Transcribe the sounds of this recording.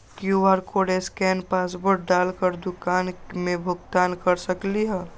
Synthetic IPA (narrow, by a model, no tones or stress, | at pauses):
kjuʋaːɾkoːɖeskɛːnpaːsbəɾʈ̚ɖaːlkəɾd̪ʊkaːnmẽbʱʊɡt̪aːnkəɾsəkliɦɛː